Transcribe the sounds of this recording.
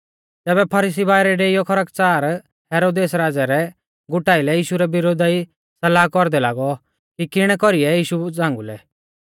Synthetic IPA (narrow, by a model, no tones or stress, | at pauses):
t̪ɛːbɛpʰɐɾiːs̬ibaːɪɾɛɖeːijɔkʰɔɾəkt͡saːɾ | hɛːɾoːd̪eːsɾaːd͡zaɾɛ | ɡʊʈaːɪlɛjiːʃuɾɛbɪɾoːd̪ai | sɐlaːkɔɾd̪ɛlaːɡɔ | kikɪɽ̃ɛkɔɾiɛjiːʃud͡zãːŋɡulɛ̰